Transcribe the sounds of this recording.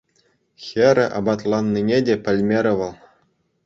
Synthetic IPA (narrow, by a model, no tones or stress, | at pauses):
xʲeɾʲɘ̆ʔɑ̰bɑt̪lˠɑnːinʲedʲepʲɘ̆lʲmʲeɾʲɘ̆ʋɤ̆lˠ